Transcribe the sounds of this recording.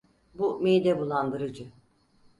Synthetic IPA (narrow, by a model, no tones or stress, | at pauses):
bumejd̪ɛbulˠand̪ɯɾɯd͡ʒɯ